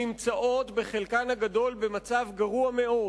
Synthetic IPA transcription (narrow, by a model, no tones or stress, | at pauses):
imt͡saʔo̞t̪be̞χelkanhaɡad̪o̞lbe̞mat͡savɡaʁuame̞o̞